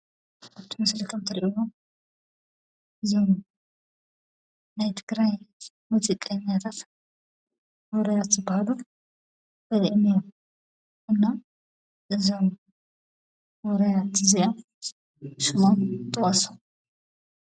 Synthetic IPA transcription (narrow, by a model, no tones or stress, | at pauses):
aβt̪ʰimɐslik̪ʰɐmt̪ʰɨɾʔiwom | ʔɨzom | najt̪ʰɨɡɾaj | muzikʼɐɲjat̪ʰat̪ | wɔɾɐjat̪zɨbahaluf | b̥ɐjʔnijom | ʔɨnːa | ʔɨzom | wɔɾɐjat̪ɨziʔom | ʃɨmomt̪ʼɨwɐsom